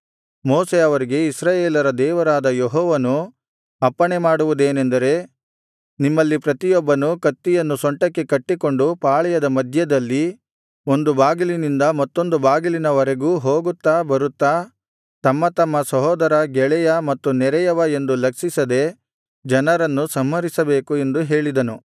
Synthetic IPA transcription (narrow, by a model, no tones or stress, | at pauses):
moːseɐʋɐɾiɡe̞isɾaːjeːlɐɾɐd̪ɛːʋɐɾaːd̪ɐjeɦɔːʋɐnu | ɐpːɐɳemaːɽuʋud̪e̞ːnend̪ɐɾe̞ | nimːɐlːipɾɐt̪ijɔbːɐnukɐt̪ːijɐnːusoɳʈɐkːe̞kɐʈːiko̞ɳɖupaːɭɛjɐd̪ɐmɐd̪ʱjɐd̪ɐlːi | o̞nd̪ubaːɡilinind̪ɐmɐt̪ːo̞nd̪ubaːɡilinɐʋɐɾeɡuːɦoːɡut̪ːaːbɐɾut̪ːaː | t̪ɐmːɐt̪ɐmːɐsɐɦɔːd̪ɐɾɐɡɛɭɛjɐmɐt̪ːunɛɾɛjɐʋɐe̞nd̪ulɐksisɐd̪e̞ | d͡ʒɐnɐɾɐnːusɐmɦɐɾisɐbe̞ːkue̞nd̪uɦe̞ːɭid̪ɐnu